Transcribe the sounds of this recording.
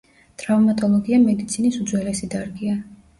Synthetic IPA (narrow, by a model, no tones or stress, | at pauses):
t̪ʼɾavmat̪ʼɔlˠɔɡiamɛd̪it̪sʰinisud̪zwɛlɛsid̪aɾɡia